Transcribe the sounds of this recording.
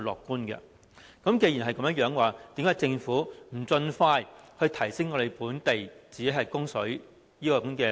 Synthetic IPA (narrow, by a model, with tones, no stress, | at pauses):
lɔː˨kːuː˥nkɛ̰˧ | kɐ˨˥mke˧ji˨˩nɦɐ˨jkɐ˨˥mjɐ˥jœː˨˥ŋwaː˨˩t̪i˨˥mkaː˨˥jt͡sɪ˧ŋfuː˨˥m̩˨˩t͡sɵ˧nfaː˧jhɵ˧ɥt̪ʰɐ˨˩jsɪ˥ŋɔː˨˧ɾe˨˩jpuː˨˥nt̪e˨jt͡siː˨ke˨˥ɦɐ˨jkʊ˥ŋsɵ˨˥ɥ | jiː˥kɔː˧kuː˨˥nkɛː˧